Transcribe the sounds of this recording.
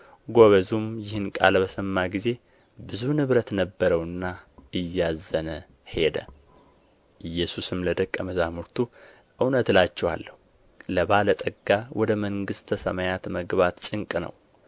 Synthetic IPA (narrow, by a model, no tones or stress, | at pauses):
ɡo̞βəzumjɪhɨnkʼa̰lbəsəmːaɡize̞ | bɨzunɨβɾət̪nəbːəɾəwɨnːaɨjːazːənə | he̞d̪ə̰ | ʔɨjːɛsusɨmləd̪əkʼːəməzamuɾt̪ʰu | ʔɨwnət̪lat͡ʃːɛwa̰lːəhu | ləbalət̪ʼəɡːawʔɔd̪əməŋɡɨst̪ʰəsə̰majat̪məɡβat̪t͡ʃʼɨŋkʼnə̰w